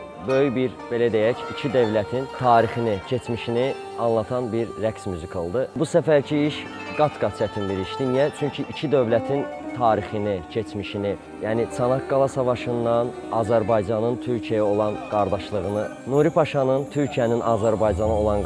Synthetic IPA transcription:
bø̞jybiɾbe̞læd̪ejæcicʰid̪ø̞vlæt̪ʰint̪ʰɑːɾixinicʰe̞t͡ʃmiʃini | ɑnlˠɑt̪ʰɑnbiɾːæksmyzikʰolˠd̪ɯbusæfæɾcʰiiʃ | ɡɑt̪ɡɑt͡ʃʰæt̪ʰinb̪iɾiʃd̪inijæt͡ʃʰyɲcʰiʔicʰid̪ø̞vlæt̪ʰin | t̪ʰɑːɾixinicʰe̞t͡ʃmiʃini | jænisʰɑnɑt̪̚ɡɑlˠɑsɑvɑʃɯnd̪ɑn | ɑzæɾbɑjd͡ʒɑnɯnt̪ʰyɾcʰiæjæo̞lˠɑnɡ̥ɑɾd̪ɑʃlˠɯɣɯnɯ | nuɾipʰɑʃɑnɯnt̪ʰyɾcʰijæninʔɑːzæɾbɑjd͡ʒɑnɯo̞lˠɑn

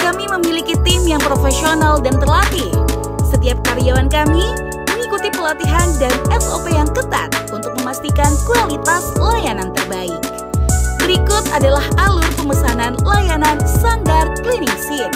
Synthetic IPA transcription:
kamiməmilikit̪imjaŋpɾofesionaldant̪ərlat̪i | sət̪iap̚kaɾiawankami | məŋikut̪ipəlat̪iɦandanɛsopejaŋkət̪a̰t̪̚unt̪ʊk̚məmast̪ikankualit̪aslajanant̪ərbaɪk̚ | bəɾikʊt̪adalahʔalʊrpəmbəsananlajananst̪andar̚kliniŋsir

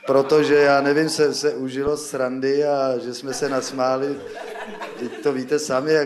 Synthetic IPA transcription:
pɾot̪oʒɛjaːnɛvɪmsɛsɛʔuʒɪlosɾandɪaʒɛsmɛsɛnasmaːlɪ | tɪct̪oviːt̪ɛsamɪja

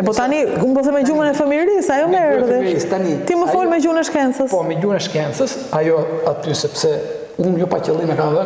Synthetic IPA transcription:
ɛpɔt̪aniɡumbɔsɛmɛd͡ʒumənɛfəmiɾisajɔmɛɾðɛist̪anit̪iməfɔlmɛɟunɛʃkɛnsəspɔmɛɟunɛʃkɛnt͡səs | ajɔat̪ysɛpsɛ | unjɔpacəlˠimɛkanada

